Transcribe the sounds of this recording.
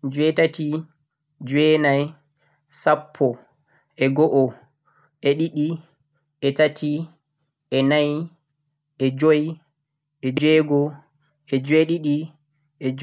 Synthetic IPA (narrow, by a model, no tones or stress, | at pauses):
d͡ʒwɛtati | d͡ʒwɛnaj | sapʰːɔ | ʔɛɡɔʔɔ | ʔɛɗiɗi | ɛtatʰi | ʔɛnaj | ɛd͡ʒoj | ɛd͡ʒɛɡɔ | ʔɛd͡ʒweɗiɗi | ɛ